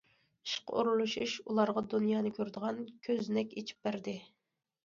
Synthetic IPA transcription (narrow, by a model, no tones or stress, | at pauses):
ʃqʰṵɾulˠuʃuʃulˠɑɾʁɑd̪unjɑːnɨkʲʰøɾd̪əʁɑnkʲʰøznɛkʲet͡ʃʰi̥p̚bæɾd̪ɪ